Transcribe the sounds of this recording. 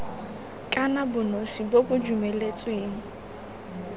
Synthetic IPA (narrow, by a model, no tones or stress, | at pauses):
kʼanabʊnosibobʊd͡ʒumɛlet͡sʼweːŋ̩